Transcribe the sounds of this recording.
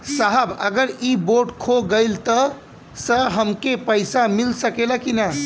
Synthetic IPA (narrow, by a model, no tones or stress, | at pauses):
saɦəbəɡəɾiboʈkʰoɡəɪlt̪ə | səɦəmkepəɪsamilsəkelakinə